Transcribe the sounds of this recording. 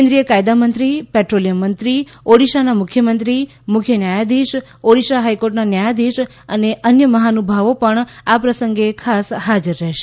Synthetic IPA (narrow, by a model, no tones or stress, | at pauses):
end̪ɾijəkajd̪amənt̪ɾipɛʈɾolijəmːənt̪ɾi | oɽiʃanamʊkʰjəmənt̪ɾi | mʊkʰjənjajad̪iʃ | oɽiʃaɦajkoɾʈnanjajad̪iʃ | əneʔənjəməɦanubʱaʋopəɳapɾəsə̃ŋɡekʰasɦad͡ʒəɾːɛɦʃe